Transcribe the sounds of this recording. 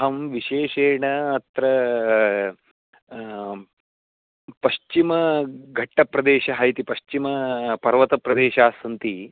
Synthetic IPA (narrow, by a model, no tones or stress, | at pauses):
ɦɐmʋiʃeːʃeːɳɐːt̪ɾɐ | pɐʃt͡ʃimɐɡʱɐʈːɐpɾɐd̪eːʃɐɦɐjt̪ipɐʃt͡ʃimɐpɐɾʋɐt̪ɐpɾɐd̪eːʃaːsɐnt̪i